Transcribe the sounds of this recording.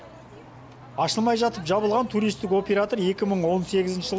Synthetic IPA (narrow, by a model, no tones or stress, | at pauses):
ɑʃəlˠmɑjʒɑt̪əpʒɑβəlˠʁɑnt̪ʰuɾijst̪ɪko̞pʲe̞ɾat̪o̞ɾe̞kʲɪməɴwo̞nse̞ɡʲɪzɪnʃɪʒəlˠ